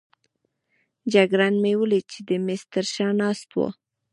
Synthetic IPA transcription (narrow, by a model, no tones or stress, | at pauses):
d͡ʒaɡɾanmewəlit͡ʃed̪əmɪst̪əɾʃɑnɑst̪wo̰